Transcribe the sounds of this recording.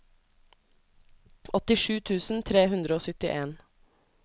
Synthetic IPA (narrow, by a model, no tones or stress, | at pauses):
ʔɔt̪ɪʃʉːt̪ʰʉːsn̩t̪ʰɾeːhʉnd̪ɾəoːsʏt̪ɪʔeːn